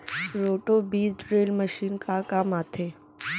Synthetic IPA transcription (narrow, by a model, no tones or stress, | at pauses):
ɾoʈobid̪ɾeːlməʃiːnkakaːmaːt̪ʰe